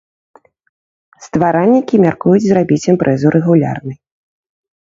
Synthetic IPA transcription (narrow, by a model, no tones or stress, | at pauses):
st̪vaɾanʲːikʲimʲarkujud͡zʲzrabʲit͡sʲɛmpɾʔɛzuɾɛɣulʲa̰rnɨj